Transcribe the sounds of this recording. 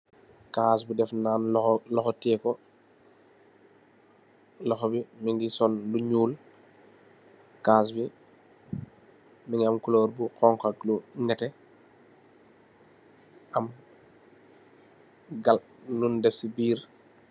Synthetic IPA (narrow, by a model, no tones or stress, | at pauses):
kaːs̬budɛfnaːnlɔxɔtɛːkɔ | lɔxɔbimiŋɡisɔnluɲuːl | kaːs̬bi | miŋɡamkuloːɾbukɔŋkakluɲɛtɛ | ʔɐm | ɡal | nundɛfsibiːɾ